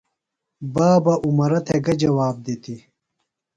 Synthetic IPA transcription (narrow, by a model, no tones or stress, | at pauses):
baːbɐʔumɐɾɐt̪ʰeɡɐd͡ʑɐwaːb̚d̪eːt̪ʰi